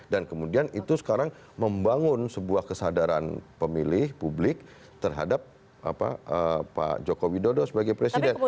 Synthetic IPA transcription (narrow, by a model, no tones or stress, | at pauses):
dankəmudianit̪usə̥kaɾaŋ | məmbaŋʊnsəbuahkəsadaɾanpəmilɪhpublɪk̚ | t̪ərɦa̰dap̚ | ʔa̰pa̰ʔəpa̰d͡ʒokowidodosəbaɡajpɾesidɛn